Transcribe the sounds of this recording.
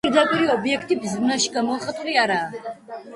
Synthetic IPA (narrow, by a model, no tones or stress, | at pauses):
iɾd̪apʼiɾiɔbiɛkʰt̪ʼibzmnaʃi̥ɡamɔχat̪ʼuliaɾaː